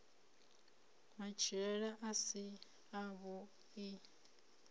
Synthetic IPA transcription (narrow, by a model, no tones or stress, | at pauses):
mat͡ʃʰiɺɛɺaʔasi | aβu | i